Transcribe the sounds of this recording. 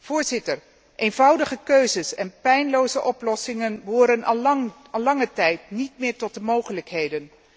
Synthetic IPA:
v̥ʊːɹzɪtəɹ | ʔejnvɑwdəχəkøɥzəsɛ̰npɛjnlowzəʔɔplɔsɪŋənbəɦʊːɾən | ɑlɑŋətɛjtnitmɪːɹtɔt̚dəmowχələkɦejdən

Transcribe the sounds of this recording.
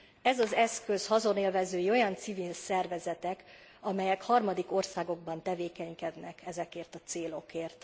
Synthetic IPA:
ɛzɒzɛskø̞shɒzo̞neːlvɛzøːjio̞jɒnt̪sivilsɛrvɛzɛt̪ɛk | ɒmɛjɛkhɒrmɒd̪iko̞rsaːɡo̞ɡ̚bɒnt̪ɛveːkɛɲkɛd̪nɛkʰɛzɛkeːrt̪ɒt̪seːlo̞keːrt̪

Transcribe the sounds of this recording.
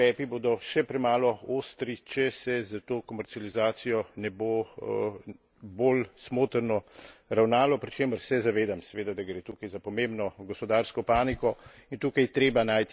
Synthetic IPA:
ɛːpiboːd̪ɔʃɛpɾɛmaːlɔost̪ɾit͡ʃɛsɛzat̪oːkɔmɛɾt̪sializaːt̪sijɔnɛbo | bolsmoːt̪əɾnɔɾawnaːlɔpɾit͡ʃeːməɾsɛzaʋeːd̪amsɛʋeːd̪ad̪aɡɾeːt̪uːkajzapɔmembnɔɡɔspɔd̪aːɾskɔpaːnikɔint̪uːkajt̪ɾeːbanaːjt̪

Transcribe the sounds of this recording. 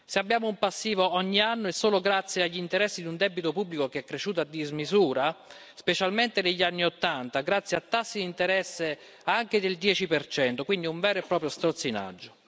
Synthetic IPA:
seabːjaːmoumpasːiːvoɔɲːianːoesːoːloɡɾat̪sːjeaʎːint̪eɾɛsːid̪iund̪ɛbit̪opublikokeɛkːɾeʃːuːt̪̬ad̪ːizmizuːɾa | spet͡ʃalment̪eneʎːanːiot̪ːant̪aɡɾat̪sːjeat̪ːasːid̪int̪eɾɛsːe | aŋk̟ed̪eld̪jɛːt͡ʃipert͡ʃɛnt̪okwind̪iuɱvɛːɾoepːɾɔːpɾjost̪ɾot̪sːina̰d͡ʒːo

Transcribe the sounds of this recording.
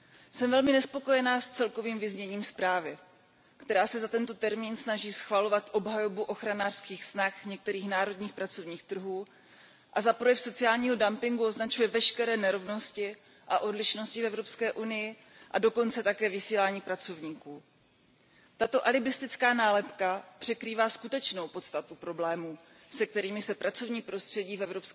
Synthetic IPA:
sɛmvɛlmɪnɛspo̞ko̞jɛnaːst͡sɛlko̞viːmvɪzɲɛɲiːmspɾaːvɪ | kt̪ɛɾaːsɛzat̪ɛnt̪o̞t̪ɛɾmiːnsnaʒiːsxvalo̞vat̪ʔo̞bɦajo̞buʔo̞xɾanaːr̥skiːxsnaxɲɛk̚t̪ɛɾiːxnaːɾo̞dɲiːxpɾat͡so̞vɲiːxt̪r̩ɦuː | ʔazapɾojɛfso̞t͡sɪaːlɲiːɦo̞dampɪŋɡuo̞znat͡ʃujɛvɛʃkɛɾɛːnɛɾo̞vno̞scɪ | ʔaʔo̞dlɪʃno̞scɪfɛvɾo̞pskɛːʔunɪjɪ | ʔado̞ko̞nt͡sɛt̪akɛːvɪsiːlaːɲiːpɾat͡so̞vɲiːkuː | t̪at̪o̞ʔalɪbɪst̪ɪt͡skaːnaːlɛpkapr̝̥ɛkɾiːvaːskut̪ɛt͡ʃno̞wpo̞t̪st̪at̪upɾo̞blɛːmuː | sɛk̚t̪ɛɾiːmɪsɛpɾat͡so̞vɲiːpɾo̞st̪r̝̥ɛɟiːfɛvɾopsk

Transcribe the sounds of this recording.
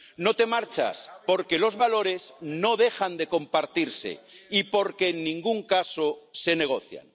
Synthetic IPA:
no̞t̪e̞maɾt͡ʃa̰spo̞ɾke̞lo̞zβalo̞ɾe̞zno̞ð̞e̞xand̪e̞ko̞mpaɾt̪iɾse̞̰ipo̞ɾkeːnːĩŋɡuŋkasose̞ne̞ɣ̞o̞θja̰n

